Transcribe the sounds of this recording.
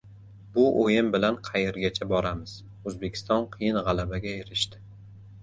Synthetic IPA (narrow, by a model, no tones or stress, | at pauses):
bʊʔojɪmbɪlanqʰɑjeɾɡʲat͡ʃʰabɒɾamɪz̥ | ɵzbe̞kʲʰɪ̥st̪ɒnqʰɨjɪnʁɑlˠabaɡʲaeɾɪʃt̪ɪ̥